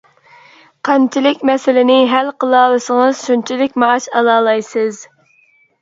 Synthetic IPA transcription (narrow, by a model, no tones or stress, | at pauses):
qʰɑnt͡ʃʰilɪkʲmɛsɪlɪnɪɦælqəlˠɑːlˠɨsəŋəz̥ʃunt͡ʃʰilɪkʲmɑːʃɑlˠɑːlˠɑjsɨz